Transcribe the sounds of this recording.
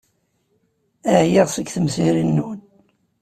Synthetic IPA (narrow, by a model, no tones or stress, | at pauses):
æʕjiʁsəɡθəmsiɾinːun